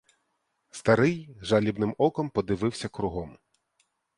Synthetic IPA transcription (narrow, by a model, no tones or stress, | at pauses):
st̪ɐɾɪjʒɑlʲibnɪmɔkɔmpɔd̪ɪʋɪwsʲɐkɾʊɦɔm